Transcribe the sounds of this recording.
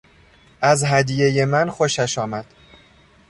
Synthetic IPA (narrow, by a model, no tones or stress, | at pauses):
ʔæzɦæd̪ije̞je̞mænxo̞ʃæʃɒːmæd̪̥